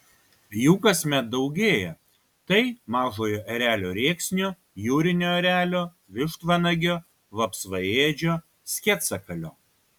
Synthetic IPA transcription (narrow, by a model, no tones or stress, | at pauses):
juːkɐsʲmʲɛt̪̚d̪ɒʊɡʲeːjɛ | t̪ɐɪmɑːʒoːjoːʔɐɾʲæːlʲoːɾʲeːksʲnʲoː | juːɾʲɪnʲoːɐɾʲæːlʲoː | ʋʲɪʃt̪ʋɐnɐɡʲoː | ʋɐpsʋɐeːd͡ʒʲoː | sʲkʲɛt̪sɐkɐlʲo̰ː